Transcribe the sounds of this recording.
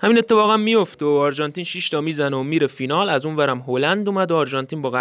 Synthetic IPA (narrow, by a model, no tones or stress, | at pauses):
hæminet̪ʰːe̞fɒːɣæmːijo̞ft̪eɒːɾd͡ʒɒnt̪iːnʃiʃt̪ɒːmiːzænomiːɾefiːnɒːlæzuːnvæɾæmɦoːlænd̪uːmæd̪oɑːɾʒɒnt̪ʰiːnbɒːɣæ